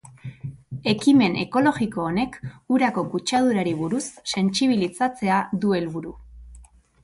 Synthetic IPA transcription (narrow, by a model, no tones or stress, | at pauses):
e̞kime̞nʔe̞̰ko̞lo̞ɣiko̞ːne̞kuɾako̞kut͡ʃað̞uɾaɾiβ̞uɾusːe̞nt͡siβ̞ilit͡sat͡se̞aðue̞lβuɾu